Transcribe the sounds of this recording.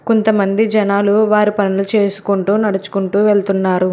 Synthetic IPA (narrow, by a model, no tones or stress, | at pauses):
kont̪ɐmɐnd̪id͡ʒɐnaːluʋaːɾipɐnilut͡ʃe̞ːsu̥kuɳʈuːnɐɽut͡ʃu̥kuɳʈuːʋeɭt̪unːaːɾu